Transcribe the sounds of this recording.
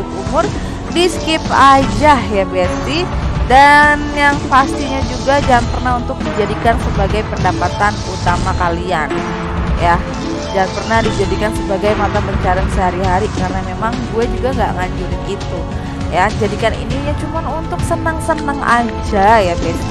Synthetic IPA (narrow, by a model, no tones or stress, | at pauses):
umʊr | biskɪpad͡ʒahjabɛnt̪idanjaŋpast̪iɲad͡ʒuɡad͡ʒaŋnpərnaunt̪ʊk̚did͡ʒadikansəbaɡajpəndapat̪anut̪amakalian | ja | d͡ʒaŋanpərnahdid͡ʒadikansəbaɡajmat̪apəɲt͡ʃaɾansəɦaɾiɦaɾikarnamemaŋɡuɛd͡ʒuɡaŋɡa̰ʔŋaɲd͡ʒuliit̪u | jad͡ʒadikanḭnijat͡ʃumanunt̪ʊk̚sənəŋsənəŋʔa̰d͡ʒajabɛi